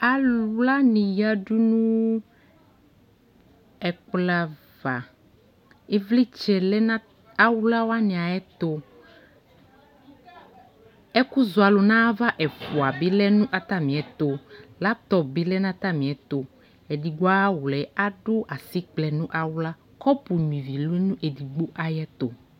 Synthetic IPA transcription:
a˨lwla˦nĩ˨ja˦ɖu˦nũ˦ | ɛ˨kla˦ | va˨ | e˦vli˦t͡ʃɛ˨lɛ˦nã˦ | a˦wu˦la˦wa˦nĩ˨a˨ɛ˦t̪o˦ | ɛ˦ku˦zo˨a˨lo˨nã˦va˦ʔɛ˨fu˨a˨bi˦lɛ˦nũ˦ʔa˨t̪a˦mĩ˨ɛ˨t̪o˨la˦t̪ɔ˨bi˦lɛ˦nã˦t̪a˦mĩ˨ɛ˨t̪o˨ | e˨di˨ɡ͡bo˦a˦wu˨lɛ˨a˦ɖo˦ʔa˨si˦k͡plɛ˨nũ˦ʔa˦wla˦ | kɔ˦pu˨ɲ˨ĩ˨vi˨le˦nũ˦ʔe˨di˨ɡ͡bo˦ʔa˨jɛ˦t̪o˨

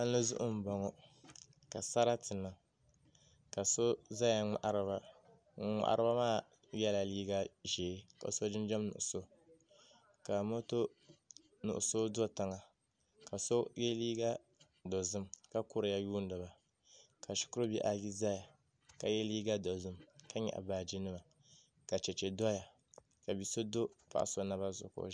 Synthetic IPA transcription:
a˦nː˦ɨ˦zʊ˦ʔʊ˦m̩˨bɔ˨ŋɔ˦ | ka˨sa˦ɾa˦tɨ˨nːɨ˦ | ka˨so˦za˦ja˨ŋa̰˨ʔa˦ɾba˦ | ŋa̰˦ʔa̰˦ɾɨ˦ba˦maː˦˨ | jɛ˦la˨liː˦ɡa˦ʒeː˨˦ka̰˨so˦d͡ʒɪ˦nd͡ʒɛ˦mnʊ̰˨ʔʊ˨so˦ | ka˨mo˦to˦ | nʊ̰˨ʔʊ̰˨so˦dɔ˦ta˨ŋa˨ | ka˨so˦jɛ˦liː˦ɡa˦ | do˨zɨ˦mka˦kʊ˦ɾɨ˨ja˦juː˦n˦dɨ˨ba˨ | ka˨ʃi̥˦kʊ˦ɾo˦bi˦ʔa˨ji˦za˦ja˨ | ka˨jɛ˦liː˦ɡa˦do˨zɨ˦mka˦ɲɛ̰˨ʔa̰˨baː˨d͡ʒi˦nɨ˦ma˨ | ka˨t͡ʃɛ˨t͡ʃɛ˨dɔ˦ja˨ | ka˨bi˨so˦do˦pa̰˨ʔa̰˨so˨na˦ba˦zʊ̰˨ko̰˨

